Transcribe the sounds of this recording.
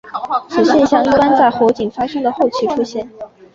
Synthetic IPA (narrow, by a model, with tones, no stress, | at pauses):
ʂo˨˩ʊɕjɛ˥˧nɕjɑ˥˧ŋi˥˩pa˥nt͡sa˥˩ɪxo˧˥ʊt͡ɕi˨˩ŋfa˥ʂɤ˥ŋd̪ə˨xo˥˩ʊt͡ɕʰy˥˩ʈ͡ʂʰu˥ɕjɛ˥˩n